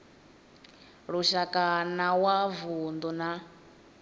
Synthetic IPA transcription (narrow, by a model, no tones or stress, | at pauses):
ɺuʃakʼanawavund̪una